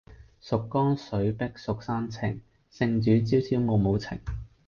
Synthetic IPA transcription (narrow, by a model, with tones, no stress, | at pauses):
sʊ˨kːɔː˥ŋsɵ˨˥ɥpɪ˥k̚sʊ˨k̚saː˥nt͡sʰɪ˨˩ŋ | sɪ˧ŋt͡ʃyː˨˥t͡siː˨˥wsiː˨˥wmo˨˧wmo˨˧wt͡sʰɪ̰˨˩ŋ